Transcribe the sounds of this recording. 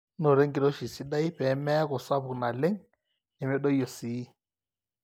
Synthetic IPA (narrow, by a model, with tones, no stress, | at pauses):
nɔ˨ɾe˦ŋɡi˨ɾɔ˦ʃi˨si˦ɗa˦i˦ɸɛ˨˦mɛ˦a˦kɔ˨sa˦βu˨na˨lɛ˦ŋ | nɛ˨mɛ˦ɗɔ˦i˦jɔ˨siː˦